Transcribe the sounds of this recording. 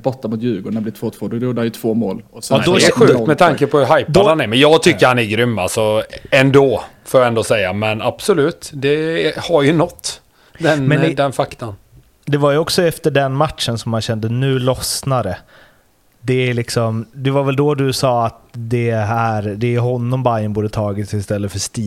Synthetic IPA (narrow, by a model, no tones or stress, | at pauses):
bɔʈ̪ːamʊt̪jʉ̟ːɡɔnɛb̪ɪt̪ʰvoːt̪ʰvoːd̪ɔɾuːd̪anjɵt̪ʰvoːmo̰ːlːd̪ɔɛɧʉːkt̪mɛt̪ʰaŋkəpʰɔhɵɾɦajpd̪ahanɛɾmɛnjɑːɡt̪ʰʏkːəɾhanæɾɡɾʏmːa̰lsɔɛnd̪oː | foːjaɛnd̪oːsɛjːamɛnab̥sɔlʉ̟ːt̪d̪ɛhaɾjɵnɔt̪ː | d̪ɛnmɛnd̪ɛnfakt̪an | d̪ɛvaɾjɵɔksɔɛft̪əɖɛnmat̪ʂənsɔmːanɕɛnd̪ənʉ̟ːlɔsnaɾə | d̪ɛlɪksɔmd̪ɛvaɾvɛld̪ɔd̪ɵsɑːat̪d̪ɛæɾd̪ɛɦɔnːɔmbajənbuːd̪ət̪ʰɑːɡɪt̪sɪst̪ɛlːət̪fœʂt̪iː